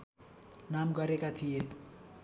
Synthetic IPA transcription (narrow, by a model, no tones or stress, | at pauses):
namɡʌɾekat̪ʰije